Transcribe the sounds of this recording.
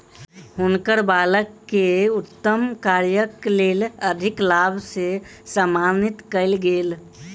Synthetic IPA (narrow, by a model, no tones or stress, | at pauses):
ɦʊnkəɾbaːləkːeut̪ːəmkaɾjəkleːləd̪ʱɪklabʱsesəmanit̪kəɪlɡeːl